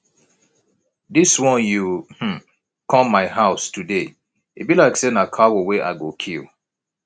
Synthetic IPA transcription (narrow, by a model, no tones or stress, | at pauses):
diswɔ̃njuhm̩ | kʰɔ̃mːaɪɦaʊstʰude | ḭbilaɪksenakʰawoweʔa̰ɡokʰḭl